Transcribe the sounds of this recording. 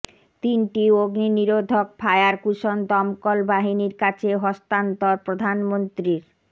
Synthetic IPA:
t̪inʈioɡniniɾod̪ʱok̚pʰaeaɾkuʃond̪ɔmkolbaɦiniɾkat͡ɕʰeɦɔst̪ant̪oɾpɾod̪ʱanmont̪ɾiɾ

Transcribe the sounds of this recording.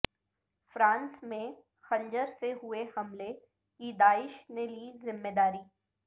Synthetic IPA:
fɾãːnsmẽ | xɐ̃ɲd͡ʒəɾseɦʊehɐmle | kid̪aːɪʃneliːzɪmːed̪aːɾiː

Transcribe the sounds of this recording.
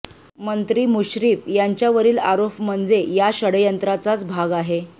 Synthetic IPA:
mənt̪ɾiːmuɕɾiːfjaɲt͡ɕjaʋəɾiːlaɾopm̤ənd͡zejaɕəɽjənt̪ɾat͡sat͡sbʱaɡaɦe

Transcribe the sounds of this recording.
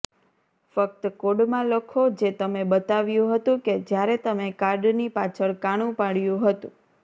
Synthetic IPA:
fək̚t̪koɽmãlokʰod͡ʒet̪əmebət̪aʋjũɦət̪ũked͡ʒjaɾet̪əmekaɾɖnipat͡ʃʰəɭkaɽ̃ũpaɽjũɦət̪ũ

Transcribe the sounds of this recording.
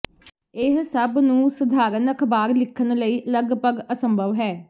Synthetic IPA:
ɪɦsəbnũːsəd̪ʱaːɾənəkʰbaːɾlɪkʰːənləiːləɡpəɡəsəmbʱəʋɦɛː

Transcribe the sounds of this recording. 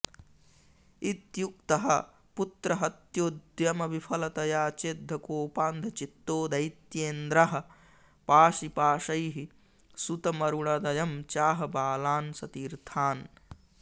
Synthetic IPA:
it̪jukt̪ɐɦɐ | put̪ɾɐɦɐt̪joːd̪jɐmɐʋipʰɐlɐt̪ɐjaːt͡ʃeːd̪ʱːɐkoːpaːnd̪ʱɐt͡ʃit̪ːoːd̪ɐjt̪jeːnd̪ɾɐɦɐ̆ | paːʃipaːʃɐjɦi | sut̪ɐmɐɾuɳɐd̪ɐjɐmt͡ʃaːɦɐbaːlaːnsɐt̪iːɾt̪ʰaːn

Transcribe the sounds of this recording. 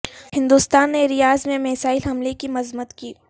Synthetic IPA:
hɪ̃nd̪ust̪aːnːeɾɪjaːzmẽmeːsaːɪlɦɐmlekimɐzmət̪kiː

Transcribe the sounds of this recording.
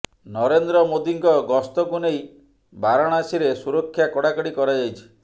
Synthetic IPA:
nɔɾend̪ɾɔmod̪iŋkɔɡɔst̪ɔɡunej | baɾɔɽ̃asiɾesuɾɔkʰːjakɔɽakɔɽikɔɾajejt͡ʃʰi̥

